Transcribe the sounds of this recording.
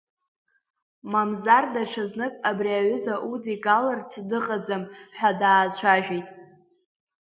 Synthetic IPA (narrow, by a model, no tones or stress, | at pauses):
mamzardaʈ͡ʂʰaznɨkʼabriaɥʏzaʔudiɡʼalart͡sʰdɨqʼad͡zamħʷadaːt͡ɕʷʰaʒᶣejtʼ